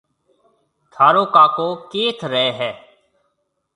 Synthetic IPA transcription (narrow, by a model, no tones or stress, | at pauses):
t̪ʰaːɾoːkaːkoːkeːt̪ʰɾɛɛːɦɛː